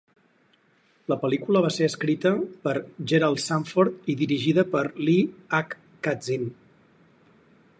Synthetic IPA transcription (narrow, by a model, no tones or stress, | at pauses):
ləpəlikuləβ̞aseəskɾit̪əpəɾʒeɾalˠsaɱfoɾt̪iðiɾiʒiðəpəɾliakː | ad͡zin